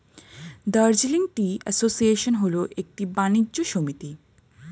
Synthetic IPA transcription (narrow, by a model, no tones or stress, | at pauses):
d̪aɾd͡ʑiliŋʈiɛ̰sosieʃonɦoloʔek̚ʈibanid͡ʑʑoʃomit̪i